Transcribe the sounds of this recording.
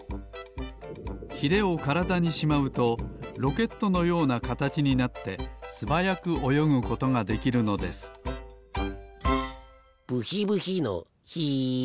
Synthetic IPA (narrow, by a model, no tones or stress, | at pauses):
çiɾe̞o̞kaɾad̪aɲ̟iɕimaɯ̟t̪o̞ɾo̞ke̞t̪ːo̞no̞jo̞ːnakat̪at͡ɕiɲ̟inat̪ːe̞sɨbajakɯ̟ʔo̞jo̞ŋɯ̟ko̞t̪o̞ŋad̪e̞kʲiɾɯ̟no̞d̪e̞sɨ̥ | b̥ɯ̟çibɯ̟çino̰ | çi